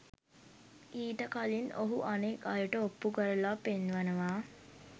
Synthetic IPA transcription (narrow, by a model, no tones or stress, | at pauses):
iːʈəkalino̰ɦuʔanekajuʈəopːukəɾəlapenʋanəʋaː